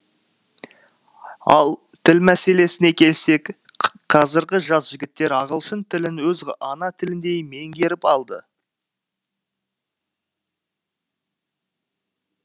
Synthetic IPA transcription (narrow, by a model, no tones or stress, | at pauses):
ɑlˠ | t̪ʰɪlmæse̞le̞sɪne̞kʲʰe̞lse̞k | qʰɑzəɾʁʲɪʒɑsʒ̥ɪɡʲɪt̪ːe̞ɾɑʁəlˠʃənt̪ʰɪlɪnwɵzɑnɑt̪ʰɪlɪnd̪e̞jme̞ŋɡʲe̞ɾɪpɑlˠd̪ə̰